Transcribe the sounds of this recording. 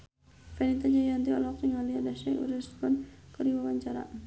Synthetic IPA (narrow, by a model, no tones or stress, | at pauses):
fɛnit̪ad͡ʒajand̪iɔlɔk̚iŋaliadaʃɛʔṵɾɛskɔnkədiwawaɲt͡ʃaɾa̰